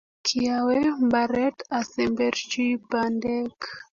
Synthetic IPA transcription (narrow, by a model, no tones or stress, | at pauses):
kʰiawɛmbaɾɛtasɛmbɛɾt͡ʃibandɛk